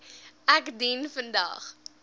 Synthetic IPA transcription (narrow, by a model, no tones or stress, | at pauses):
ækdinfəndɐ̰χ